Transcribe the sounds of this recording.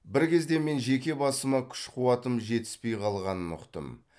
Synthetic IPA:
bɪɾkʲʰe̞zd̪e̞me̞nʒe̞kʲe̞bɑsəmɑkʲʰʏ̥ʃqʰuwɑt̪əmʒe̞t̪ɪ̥spe̞jqʰɑlˠʁɑnənʊ̰qt̪ə̰m

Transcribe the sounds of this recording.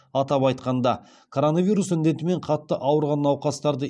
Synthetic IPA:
ɑt̪ɑpɑjt̪qɑnd̪ɑ | kʰo̞ɾo̞navʲijɾusʏnd̪e̞t̪ɪme̞ɴqʰɑt̪ːəʔɑwəɾʁɑnːɑwqɑst̪ɑɾd̪ə

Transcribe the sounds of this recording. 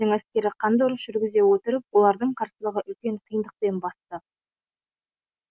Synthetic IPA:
ɪŋæskʲe̞ɾɪqʰɑnd̪ɾəʒ̥ʏɾɡʲɪze̞wɵt̪ɪɾəp̚wo̞lˠɑɾd̪əɴqʰɑɾsəlˠəʁəʔʏlkʲe̞ɴqʰijənd̪əq̚pe̞nbɑst̪ə

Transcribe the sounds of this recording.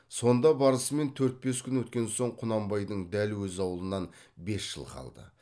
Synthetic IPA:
so̞nd̪ɑbɑɾəsəme̞nt̪ʰɵɾt̪̚be̞skʲʏnwɵt̪kʲe̞nso̞ɴqʰʊnɑmbɑjd̪əɴd̪ælwɵzɑwəlˠənɑnbe̞sʒ̥ə̰lˠqʰɑ̰lˠd̪ə̰

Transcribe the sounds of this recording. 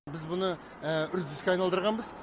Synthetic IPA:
bɪzbʊnə | əʏɾd̪ɪzkʲeɑjnɑlˠd̪əɾʁɑnbəz

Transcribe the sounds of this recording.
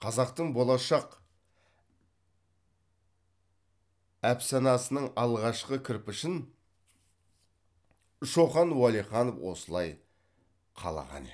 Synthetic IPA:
qʰɑzɑq̚t̪əɴbo̞lˠɑʃɑq | æpsɑnɑsənəɴɑlˠʁɑʃqəkʲʰɪɾpɪʃɪn | ʃo̞χɑnwɑlˠiχɑnofwo̞̰səlˠɑj | qʰɑ̰lˠɑ̰ʁɑ̰nḛ

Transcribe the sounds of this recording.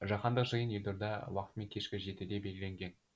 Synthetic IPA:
ʒɑqɑnd̪əqʒəjənjelʲd̪oɾd̪ɑwɑqət̪əmeŋkʲʰeʃkʲɪʒe̞t̪ɪd̪e̞be̞lʲɡʲɪlʲe̞ŋɡʲe̞n

